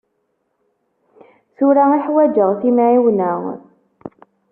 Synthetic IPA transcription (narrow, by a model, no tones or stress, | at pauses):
θuɾaiħwæd͡ʒəʁθimʕiwnəʁ